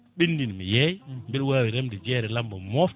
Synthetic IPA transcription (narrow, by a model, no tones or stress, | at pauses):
ɓinːdinmḭjɛjmbɛlwaːwiɾɛmdɛd͡ʒɛːɾɛlambɔmɔf